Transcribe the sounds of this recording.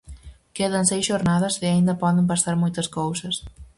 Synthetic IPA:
keðɐnsejsʒoɾnaðɐseaind̪ɐpɔðempasaɾmojt̪ɐskowsɐs

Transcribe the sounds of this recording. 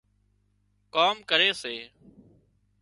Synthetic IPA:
kaːmkəɾeːseː

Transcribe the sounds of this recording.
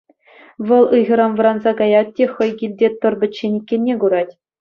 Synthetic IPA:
ʋɤ̆lˠɯjʁɤ̆ɾɑnʋɤ̆ɾɑnzɑɡɑjɑt̪̚ːʲexɤ̆jɡʲilʲdʲet̪ɤ̆rbʲɘ̆t͡ɕːenʲikʲːenʲːeɡuɾɑtʲ

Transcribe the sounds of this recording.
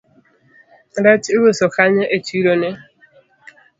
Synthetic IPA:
ɾɛtewosɔkaɲeʔetuiɾone

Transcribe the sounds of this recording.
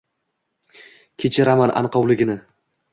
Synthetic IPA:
kʲʰet͡ʃʰɪɾamanʔa̰nqʰɒwlɪɡʲɪnɪ

